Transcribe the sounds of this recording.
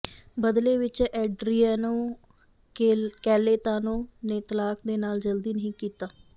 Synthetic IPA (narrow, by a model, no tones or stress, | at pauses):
bəd̪leːʋɪt͡ʃɛːɖɾiːaːnõː | kɛːleːt̪aːnõːneːt̪əlaːkd̪eːnaːld͡ʒəld̪iːnəɦĩːkiːt̪aː